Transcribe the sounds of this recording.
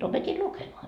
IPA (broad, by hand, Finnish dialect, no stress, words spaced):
opetʲi lukemoɑ